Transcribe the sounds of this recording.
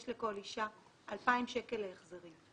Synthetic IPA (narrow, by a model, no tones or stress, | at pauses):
ʃleko̞liʃa | ʔalpaimʃekeleeχzeʁim